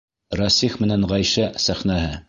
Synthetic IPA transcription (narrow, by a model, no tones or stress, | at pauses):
ɾɑsiχmɘ̆nænʁæjʃæsæχnæɦɘ